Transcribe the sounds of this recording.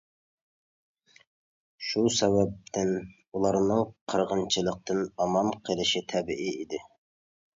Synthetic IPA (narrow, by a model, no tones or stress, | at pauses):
ʃusɛwɛp̚t̪ʰɪn | ulˠɑɾnɨŋqʰəɾʁənt͡ʃʰɨlˠəq̚t̪ʰɨnɑmɑmqʰəlˠɪʃit̪ʰɛbɪʔiid̪ɪ